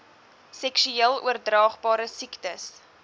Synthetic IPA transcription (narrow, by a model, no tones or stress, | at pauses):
sɛkʃyeəlˠuərdrɑːχbɑːɾəsiktəs